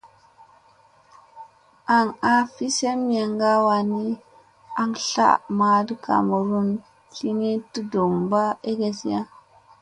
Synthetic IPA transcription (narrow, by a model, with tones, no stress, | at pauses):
a˨ŋa˦fi˦se˦m˦a˨ŋɡa˦wa˨ni˦ | a˨ŋɬa̰˦ma˨də˦ka̰˨mu˨ɾu˦n | ɬi˦ni˦ti˦do˨ŋba˦e˦ɡe˨si˦ja˦